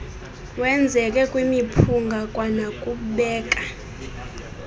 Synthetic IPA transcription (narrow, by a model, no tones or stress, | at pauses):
wɛnd͡zʱɛk̬ʼɛkʼwimipʰuŋɡʱakʼwanakʼuɓɛːk̬ʼa